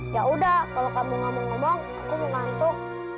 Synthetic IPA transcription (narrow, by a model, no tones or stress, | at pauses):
jaʔudahkalokamiŋɔmɔŋːɔmɔŋ | akuməŋant̪ʊk̚